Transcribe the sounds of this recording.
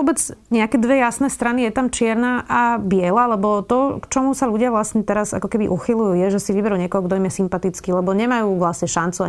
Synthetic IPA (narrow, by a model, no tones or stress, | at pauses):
ɔbɛd͡zɲɛakɛd̪ʋɛjasnɛst̪ɾanijɛt̪amt͡ʃɪɛɾnaʔabɪɛlalɛbɔt̪ɔkt͡ʃɔmusaʎuɟɪaʋlasɲɛt̪ɛɾaza̰kɔkɛbḭʔuxilujuːjɛʒɛsiʋibɛɾuɲɪɛkɔɦɔɡd̪ɔimjɛsimpat̪it͡skilɛbɔɲɛmajuːʋlasɲɛʃant͡sua